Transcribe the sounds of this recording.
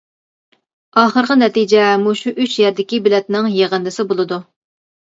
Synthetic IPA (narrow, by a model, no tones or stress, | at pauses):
ɑːχəɾʁɑnɛt̪id͡ʒɛmuʃuʔyt͡ʃjæɾd̪ɪkʲibɪlɛt̪̚nɪŋjeʁənd̪ɨsɪbolˠɨd̪u